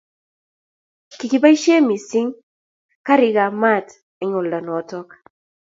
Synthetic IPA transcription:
ki˨ki˨ba˦i˦ʃe˦mi˨si˦ŋ | ka˦ɾɪ˨ɡa˨ma˦˨t | ɛ˨˦ŋɔ˨lda˨nɔ˨˦tɔ˦k

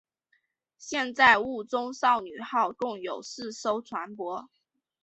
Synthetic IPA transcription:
ɕjɛ˥˧nt͡sa˥˧ɪu˥˩t͡sʊ˥ŋsɑ˥˩ʊny˨˩xɑ˥˧ʊkʊ˥˩ŋjo˨˩ʊsɹ̩˥˩so˥ʊt͡sʰwa˧˥npwɔ˧˥

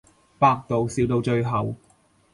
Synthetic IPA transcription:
paː˧k̚t̪o˨wsiː˨˧wt̪o˧wt͡ʃɵ˧ɥɦɐ˨w

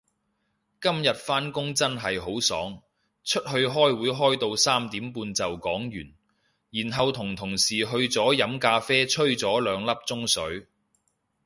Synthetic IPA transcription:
kɐ˥mjɐ˨t̚faː˥nkʊ˥ŋt͡sɐ˥nɦɐ˨jɦo˨˥wsɔ̰ː˨˥ŋ | t͡ʃʰɵ˥t̚hɵ˧ɥɦɔː˥jwuː˨˥jɦɔː˥jt̪o˧wsaː˥mt̪iː˨˥mpuː˧nt͡sɐ˨wkɔː˨˥ŋjyː˨˩n | jiː˨˩nɦɐ˨wt̪ʰʊ˨˩ŋt̪ʰʊ˨˩ŋsiː˨˩ɦɵ˧ɥt͡sɔː˨˥jɐ˨˧˥mkaː˧fɛː˥t͡ʃʰɵ˥ɥt͡sɔː˨˥lœː˨˧ŋlɐ˥p̚t͡sʊ˥ŋsɵ˨˥ɥ

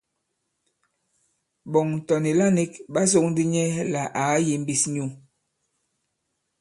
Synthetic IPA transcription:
bɔ˨ŋn̩˨tɔ˨ni˨la˦ni˦kɓa˦s̬o˦ŋ̚ndi˦ɲɛ˦la˨ʔa˨˦ji˨m˦bi˦˨sɲu˦˨

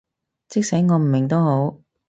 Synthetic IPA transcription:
t͡sɪ˥k̚sɐ˨˥jŋɔː˨˧m̩˨˩mɪ˨˩ŋt̪o˥who˨˥w

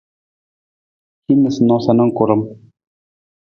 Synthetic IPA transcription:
ki˦nə˨snɔ˨˦sa˨nə˦ŋ˦ku˨ɾə˦m

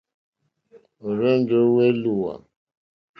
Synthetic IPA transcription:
o˨ɾe˦n̩˦d͡ʒo˨˦we˦lu˦˨wa̰˨

